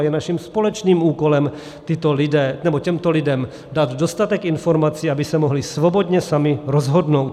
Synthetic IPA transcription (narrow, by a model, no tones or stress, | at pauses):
jɛnaʃimspolɛt͡ʃniːmuːkolɛm | t̪ɪt̪oldɛːnɛbocɛmt̪olidɛm | dad̪dost̪at̪ɛkinfoɾmat͡siːabisɛmoɦlisvobod̪ɲɛsamiɾozɦodnowt̪